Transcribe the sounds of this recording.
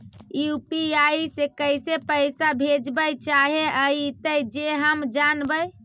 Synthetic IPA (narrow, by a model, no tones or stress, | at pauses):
ijupiaisekəɪsepəɪsabʱed͡ʒbəjt͡ʃaɦeʔəit̪əjd͡ʒeɦəmd͡ʒanbəj